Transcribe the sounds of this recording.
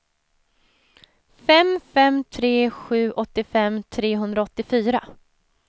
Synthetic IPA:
fɛmfɛmt̪ʰɾeːɧʉ̟ːʔɔt̪ːɪfɛmt̪ʰɾeːɦɵnd̪ɾaɔt̪ːɪfyːɾa

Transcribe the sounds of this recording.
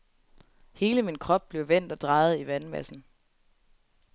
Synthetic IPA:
he̝ːləminkʰʁɒ̽b̥̚b̥le̝ʊʋen̰d̥ɒ̽d̥ʁɑ̈ːð̞̩ˠiʋænmæ̰sn̩

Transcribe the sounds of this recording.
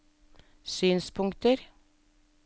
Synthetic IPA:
syːnspʰʊŋkt̪əɾ

